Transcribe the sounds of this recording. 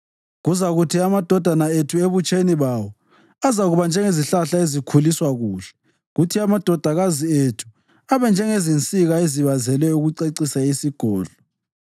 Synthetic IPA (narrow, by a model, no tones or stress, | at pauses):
ɣuzaɣutʰiamad̥ʱɔd̥ʱanaetʰueβut͡ʃʼeniβawɔ | azaɣuβand͡ʒʱɛŋeziɬaɬaezikʰuliswaɣuːɬɛ̥ | ɣutʰiamad̥ʱɔd̥ʱaɣazietʰu̥ | aβɛnd͡ʒʱɛŋezint͡sʼiɣaeziβazɛlɛuɣuǀeǀisaisiɡ̥ʱɔːɮɔ